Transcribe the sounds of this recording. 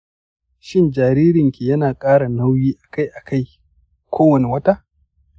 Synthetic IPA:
ʃɪ˦nd͡ʒaː˨ɾiː˦ɾɪ˨ŋkʲi˨jɐ˦naː˨kʼaː˦ɽa˨na˦wjiː˦ʔa˨ka˦jʔa˨kʰa˦˨j | kʰʷoː˦wɐ˨ne˨wɐ˦ta˦ʔ

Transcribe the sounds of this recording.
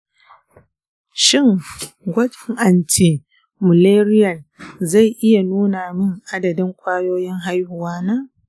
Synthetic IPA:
ʃɪ˦˨ŋɡʷɐ˦tɪ˦ŋʔa˨nti˨ | mʊ˨leː˦ɾɪ˦jɐ˨nza˦˨jʔɪ˦ja˨nuː˦naː˨mɪ˦ŋʔa˦dɐ˨dɪ˦ŋkʷʰʼaː˦joː˦jɪ˦ŋɦa˦jhʊ˨waː˦naː˦

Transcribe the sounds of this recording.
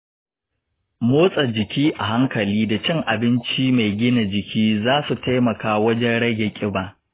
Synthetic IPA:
moː˦sʼɐ˨d͡ʒɪ˨kʲiː˦ʔa˨ɦa˦ŋkɐ˨liː˦da˨t͡ʃɪ˦ŋʔa˨bɪ˦nt͡ʃiː˦ma˨jɡʲɪ˦na˨d͡ʒɪ˨kʲʰiː˦zaː˦su˨ta˦jmɐ˨kaː˦wɐ˦d͡ʒɛ˦nɽɐ˦ɡʲe˨kʲʼɪ˦baː˨ʔ

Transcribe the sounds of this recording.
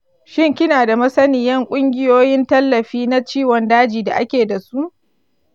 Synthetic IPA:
ʃɪ˦ŋkʲɪ˦naː˨da˨mɐ˦sɐ˦nɪ˨jɐ˦ŋkʷʼʊ˦ŋɡʲɪ˦joː˦jɪ˦ntɐ˦lːɐ˨ɸiː˦na˦t͡ʃiː˦wɔ˨ndaː˦d͡ʒiː˨da̰˨ʔa˦kʲeː˨da˨su˦ʔ

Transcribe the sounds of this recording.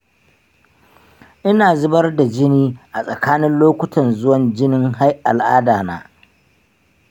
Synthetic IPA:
ʔɪ˦naː˨zʊ˦bɐ˦rda˨d͡ʒɪ˦niː˦ʔa˨sʼɐ˨kaː˦nɪ˦nloː˦kʷʊ˦tʰɐ˨nzʊ˦wɐ˨nd͡ʒɪ˦nɪ˦ŋɦa˦jʔa˨lʔa̰ː˦daː˨na̰ː˦

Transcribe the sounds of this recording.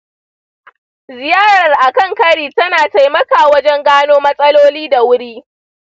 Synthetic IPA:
zɪ˨jaː˦ɽɾɐ˨rʔa˨kɐ˦˨ŋkɐ˦ɽiː˨tɐ˦naː˨ta˦jmɐ˦ka˨wɐ˦d͡ʒɛ˦ŋɡaː˦noː˦mɐ˦sʼɐ˦loː˦liː˦da˨wʊ˦ɽiː˦

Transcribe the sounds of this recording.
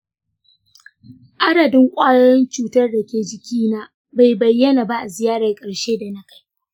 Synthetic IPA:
ʔa˦dɐ˨dɪ˦ŋkʷʼaː˦jɐ˦jɔ˦nt͡ʃuː˦tɐ˦rdɐ˨kʲeː˨d͡ʒɪ˨kʲiː˦naː˦ | ba˨jbɐ˨jːɐ˦na˨ba˦ʔa˨zɪ˨jaː˦ɽa˨kʼɐ˨ɽʃeː˦da˨na˦ka˦j

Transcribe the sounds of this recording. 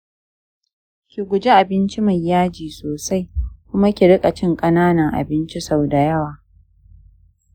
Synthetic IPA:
kʲi˨ɡʷʊ˨d͡ʒe˦ʔa˨bɪ˦nt͡ʃi˦ma˨jːaː˦d͡ʒiː˨soː˨sa˦jkʷʊ˦ma˦kʲi˨ɽɪ˦kʼa˨t͡ʃɪ˦ŋkʼɐ˦naː˦nɐ˨ŋʔa̰˨bɪ˦nt͡ʃi˦sa˦˨wda˨jɐ˦waː˨

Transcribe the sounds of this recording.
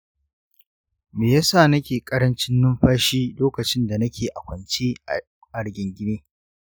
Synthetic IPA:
meː˨ja˦saː˦˨nɐ˦kʲeː˨kʼɐ˦ɾɐ˦nt͡ʃɪ˦nːʊ˦mɸaː˦ʃiː˦loː˦kɐ˨t͡ʃɪ˦nda˨nɐ˦kʲʰeː˨ʔa˨kʷɐ˨nt͡ʃeː˦ | ʔa˨ɽɡʲɪ˨ŋɡʲɪ˦neː˦

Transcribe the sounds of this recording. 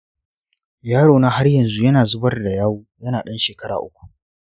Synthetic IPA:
jaː˦ɽoː˨na˦ha˦rjɐ˨nzu˦jɐ˦naː˨zʊ˦bɐ˦rda˨jaː˦woː˦jɐ˦naː˨ɗɐ˦nʃeː˨kɐ˦ɽa̰ː˨ʔʊ˦kʷu̥˨ʔ

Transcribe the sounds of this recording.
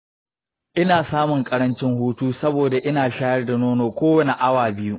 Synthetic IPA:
ʔɪ˦naː˨saː˦mʊ˨ŋkʼɐ˦ɾɐ˦nt͡ʃɪ˦ŋhuː˦tuː˦sɐ˦boː˨da˨ʔɪ˦naː˨ʃaː˦jɐ˦rda˨noː˦noː˨kʷoː˦wɐ˦ne˨ʔa˦waː˨bɪ˦ju˦ʔ

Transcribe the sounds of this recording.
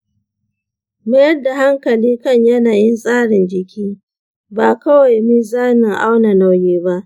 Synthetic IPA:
ma˦jɐ˦rda˨ha˦ŋkɐ˨liː˦kɐ˦˨ɲjɐ˦naː˨jɪ˦nsʼaː˦ɽɪ˨nd͡ʒɪ˨kʲiː˦ | baː˨kɐ˦wa˨jmi˦zaː˦na˨ʔa˦wna˨na˨wjeː˦ba˦ʔ

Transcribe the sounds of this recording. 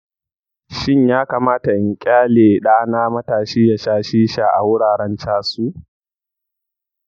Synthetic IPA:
ʃɪ˦˨ɲjaː˦kaː˨maː˦ta˨ʔɪ˨ŋkʲʼaː˦leː˨ɗaː˦naː˦mɐ˦taː˨ʃiː˦ja˨ʃaː˦ʃiː˦ʃa˨ʔa̰˨wʊ˦ɽaː˨ɽɐ˦nt͡ʃaː˦suː˦ʔ

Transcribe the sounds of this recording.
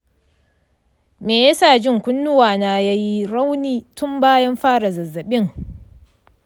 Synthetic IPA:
meː˨ja˦saː˦˨d͡ʒɪ˦˨ŋkʷʊ˦nːʊ˦waː˨naː˨jaː˦ji˦ɽa˦wniː˦tʊ˦mbaː˦jɐ˦mɸaː˦ɽa˨zɐ˨zːɐ˨ɓɪ˦ŋ

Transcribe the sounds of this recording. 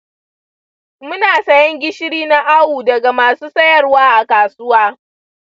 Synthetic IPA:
mʊ˦naː˨sɐ˦jɔ˦ŋɡʲɪ˦ʃɪ˦ɽiː˦na˦ʔa˦wuː˨dɐ˨ɡa˨maː˨suː˦sɐ˦jɐ˦˨rwaː˦ʔa˨kaː˨sʊ˦waː˦

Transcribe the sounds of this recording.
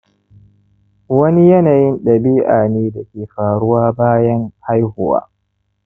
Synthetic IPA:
wɐ˦ni˦jɐ˦naː˨jɪ˦nɗɐ˨biː˦ʔaː˨neː˦da˨kʲeː˨ɸaː˨ɽʊ˦waː˦baː˦jɐ˦ŋha˦jhʊ˦˨wa̰ː˦

